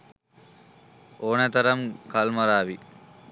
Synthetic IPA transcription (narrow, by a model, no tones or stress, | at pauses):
oːnɐt̪ɐɾɐmkɐlmɐɾaːʋi